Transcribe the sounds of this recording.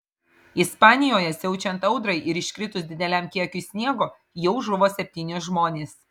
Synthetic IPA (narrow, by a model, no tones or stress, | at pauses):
ɪspɑːnʲɪjoːjɛsʲɛʊt͡ʃʲɛnt̪ɐʊd̪ɾɐɪʔɪɾɪʃʲkɾʲɪt̪ʊsʲd̪ʲɪd̪ʲɛlʲæmkʲiɛkʲʊsʲnʲiɛɡoː | jɛʊʒʊʋoːsʲɛpʲt̪ʲiːnʲʊsʒmoːnʲeːs